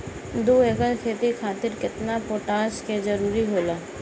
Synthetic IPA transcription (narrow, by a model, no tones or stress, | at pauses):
d̪uːeːkəlkʰeːt̪ikʰaːt̪ɪɾkɪt̪napoːʈaːsked͡ʒəɾuːɾiɦoːlaː